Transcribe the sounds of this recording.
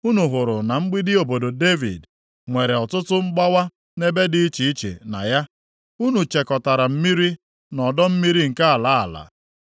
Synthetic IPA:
u˦nu˨ɦʊ˨ɾʊ˨na˨ŋ͡m̩˦ɡ͡bi˦dɪ˦o˨bo˨do˨de˦vḭ˨d | ŋʷe˨ɾe˨ɔ˨tʊ˦tʊ˦ŋ͡m̩˦ɡ͡ba˦wa˦ | ne˦be˦dɪ˦i˦t͡ʃi˨i˦t͡ʃḛ˨na̰˨ja˦ | u˦nu˨t͡ʃe˨kɔ˨ta˨ɾa˨m̩˦mi˦ɾi˦ | nɔ˨dɔ˦m̩˦mi˦ɾi˦ŋ̩˨ka˦a˨la˨˦a̰˨la̰˨

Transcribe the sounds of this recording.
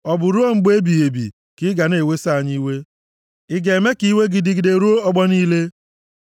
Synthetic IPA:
ɔ˨bʊ˨ɾu˦o˦ŋ͡m̩˦ɡ͡be˦bi˨e˨bḭ˨ | kɪ˦ɡa˨ne˨we˦sa˦a˨ɲi˦we˦ | ɪ˦ɡe˨me˦ki˦we˦ɡi˨di˨ɡi˨de˨ɾu˦o˦ɔ˦ɡ͡bɔ˦niː˦le˦

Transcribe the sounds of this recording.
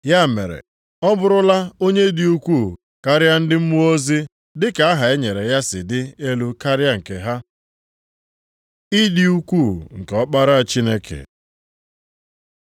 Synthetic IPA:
ja˦˨mḛ˨ɾḛ˨ | ɔ˦bʊ˨ɾʊ˦la˦o˦ɲe˦di˨u˦kʷu˦˨ | ka˦ɾɪ˦a˦n̩˦dɪ˦m̩˦mu˦o˦zi˦ | dɪ˦ka˨a˦ɦa˨e˦ɲe˨ɾe˨ja˦sɪ̰˨dɪ˦e˦lu˦ka˦ɾɪ˦a˦ŋ̩˨ke˨ɦa˦ | i˦di˦u˦kʷu˦˨ŋ̩˨kɔ˦k͡pa˦ɾa˦a˨t͡ʃi˦ne˦kʰḛ˨

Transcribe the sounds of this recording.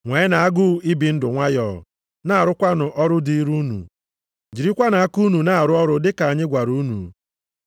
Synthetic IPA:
ŋʷe˨˦ɪ˦na˨a˦ɡʊ˦i˦bi˨n̩˦dʊ˨ŋʷa˦jɔː˦˨ | na˦a˨ɾʊ˦kʷa˦nʊ˨ʔɔ˦ɾʊ˦di˦i˦ɾu˦nṵ˨ | d͡ʒi˨ɾi˦kʷa˦na˨a˦ku˦nu˨na˦˨a˨ɾʊ˦ɔ˦ɾʊ˦dɪ˦ka˨a˨ɲɪ˦ɡʷa˨ɾu˦nṵ˨

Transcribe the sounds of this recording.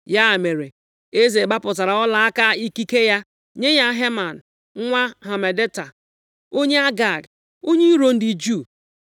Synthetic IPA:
ja˦˨me˨ɾe˨ | e˦ze˨ɡ͡ba˦pʊ˨ta˨ɾa˨ɔ˦la˨a˦ka˦i˦ki˦ke˦ja˦ | ɲe˦ɲa˦ɦe˦ma˨n̩˨˦ | ŋʷa˦ɦa˨me˨de˦ta˨ | o˦ɲe˦a˦ɡa˨ɡ | o˦ɲe˦ɾo˦n̩˦di˨d͡ʒu˦˨

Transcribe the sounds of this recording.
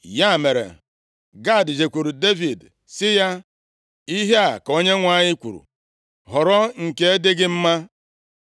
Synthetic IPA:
ja˦˨me˨ɾḛ˨ | ɡa˦˨dd͡ʒe˨kʷu˨ɾu˨de˦vi˨d | sɪ˦ja˦ | i˦ɦe˦a˨ko˦ɲe˦ŋʷa˦˨ɲɪ˦kʷṵ˨ɾṵ˨ | ɦɔ˨ɾɔ˦ŋ̩˨ke˦e˦dɪ˦ɡɪ˦m̩˦ma˦

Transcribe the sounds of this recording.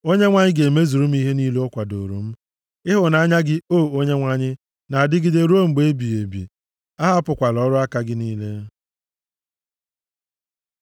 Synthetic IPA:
o˦ɲe˦ŋʷa˦ɲɪ˦ɡe˨me˦zu˨ɾu˦m̩˦i˦ɦe˦ni˦le˦ʊ˦kʷa˨do̰˨ɾṵ˨m̩˦ | ɪ˦ɦʊ˨na˨˦ɲa˦ɡɪ˦oː˦˨o˦ɲe˦ŋʷa˦ɲɪ˦ | na˨a˨dɪ˦ɡɪ˦de˦ɾo˦ŋ͡m̩˨ɡ͡be˦e˦bi˨e˨bḭ˨ | a˦ɦa˦pʊ˨kʷa˨lɔ˨˦ɾʊ˦a˦ka˦ɡɪ˦niː˦le˦

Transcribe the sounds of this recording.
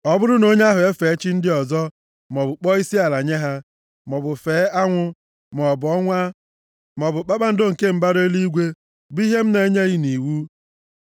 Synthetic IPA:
ɔ˦bʊ˦ɾʊ˦no˦ɲe˦a˦ɦʊ˨e˦fe˨˦t͡ʃi˦n̩˦dɪ˦ɔ˨zɔ˦ | mɔ˨bʊ˨k͡pɔ˦i˦si˦a˨la˨ɲe˦ɦa˦ | mɔ˨bʊ˨feː˨˦a˦ŋʷʊ˦ | m˨ɔ˨bʊ˨ɔ˦ŋʷa˦ | mɔ˨bʊ˨k͡pa˦k͡pa˦n̩˦do˦ŋ̩˨ke˦m̩˦ba˦ɾe˦li˦ɡʷe˦ | bi˦ɦe˦m̩˦ne˨˦ɲe˦ɣi˦ni˨wu˦

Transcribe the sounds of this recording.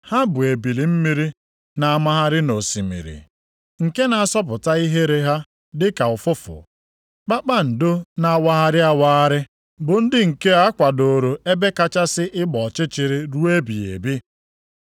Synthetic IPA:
ha˦bʊ˨e˨bi˨li˨m̩˦mi˦ɾi˦ | na˨a˨ma˦ɦa˦ɾɪ˦no˨si˨mḭ˨ɾḭ˨ | ŋ̩˨ke˦na˨a˨sɔ˦p̬ʊ˨ta˦i˦ɦe˦ɾe˦ɦa˦ | dɪ˦ka˨ʊ˨fʊ˦fʊ̰˨ | k͡pa˦k͡pa˦n̩˨do˦na˨˦wa˦a˦ɾɪ˦a˦wa˦a˦ɾɪ˦ | bʊ˨n̩˦dɪ˦ŋ̩˨ke˦a˦kʷa˨do˨ɾo˨e˦be˦ka˦t͡ʃa˦sɪ˦ʔɪ˦ɡ͡bɔ˨t͡ʃɪ˦t͡ʃɪ˨ɾɪ˦ɾu˦e˦bi˨ḛ˨bi˦

